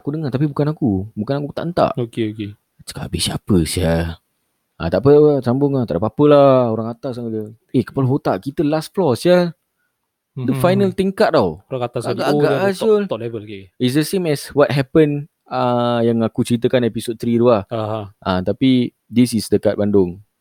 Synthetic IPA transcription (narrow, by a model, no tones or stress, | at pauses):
akudəŋart̪ap̬ibukanakubukanakukt̪a̰ʔənt̪a̰ʔokeoke | t͡ʃə̥ka̰ʔbisapəsɛl | a̰t̪aʔpəsambʊŋat̪a̰ʔdapapəlaoɾaŋat̪asaŋd͡ʒə | ekə̥paloɦot̪aʔkit̪əlast̚flɔsɛl | dəfajnəlt̪iŋkaʔ̚t̪awoɾaŋat̪asaɡaʔaɡaʔasolt̪ɔlɛvəlkeis̬dəsemɛswɔt̚ɦɛpən | əjaŋakut͡ʃəɾit̪̬əkanepisod̪̚t̪ɾid̪uahaʔat̪api | disisdəkat̪̚bandʊŋ